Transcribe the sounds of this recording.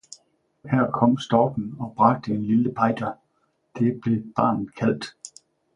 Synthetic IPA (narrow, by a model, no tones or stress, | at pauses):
hæɐ̰kʰɒ̽m̰sd̥ɒːɡ̥n̩ɒ̽b̥ʁɑ̈ɡ̥̚d̥əenliləpʰɑ̈ɪ̰d̥ɐ | d̥e̝b̥le̝b̥ɑ̰̈ːnð̩ˠkʰæl̰d̥